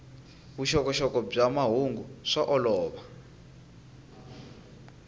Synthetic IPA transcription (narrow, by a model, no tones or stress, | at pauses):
βuʃɔkɔʃɔkɔb͡ʐamaɦuŋɡuʂaʔɔlɔːɓa